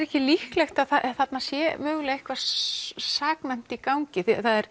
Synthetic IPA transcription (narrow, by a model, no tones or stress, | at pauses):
ɾɛhcɪlihklɛxt̪aðθaθat̪nasjɛmœːɣlɛɪhkva | saːknɛn̥t̪ikawŋcɪθiθaðɛɾ̥